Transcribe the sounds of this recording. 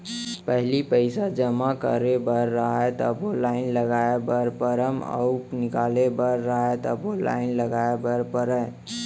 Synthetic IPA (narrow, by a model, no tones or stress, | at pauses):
pəɦlipəɪsad͡ʒəmakə̰ɾebəɾːəɦɛt̪ɔ̰bʱolaːɪnləɡaebəɾpəɾəmɔ̰nɪkaːlebəɾːəɦɛt̪ɔbʱola̰ːɪnləɡaebəɾpəɾə